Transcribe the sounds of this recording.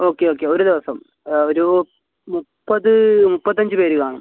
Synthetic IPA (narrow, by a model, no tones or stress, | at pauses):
o̞ːkːeoːkːe̞oɾud̪iʋɐsɐm | oɾu | mupːɐðɨmupːɐt̪ːɐɲd͡ʑɨpe̞ːɾukaːɳɐm